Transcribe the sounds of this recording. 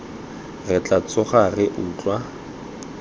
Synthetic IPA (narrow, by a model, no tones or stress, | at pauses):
rɪt͡ɬʼat͡sʼʊχarɪʔʊːt͡ɬʼwa